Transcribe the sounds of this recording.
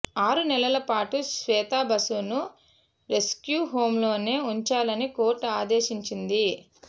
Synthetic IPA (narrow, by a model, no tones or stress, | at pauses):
aːɾunɛlɐlɐpaːʈusʋɛːt̪aːbɐsunu | ɾe̞skjuːɦo̞ːmlo̞ːne̞ːuɲt͡ʃaːlɐniko̞ːɾʈaːd̪eːʃiɲt͡ʃind̪i